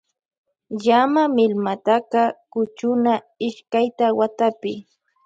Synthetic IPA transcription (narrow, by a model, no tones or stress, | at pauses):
jamamɪlmat̪aqɑkʊt͡ʃʊna | ɪʃkajt̪awat̪apɪ